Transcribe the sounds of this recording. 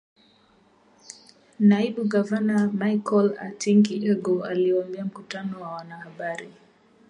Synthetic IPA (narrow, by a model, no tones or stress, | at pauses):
naiɓuɡavanamaikɔla̰tʰiŋɡiʔɛɡɔaliambɛam̩kutanɔwawanahaɓaɾi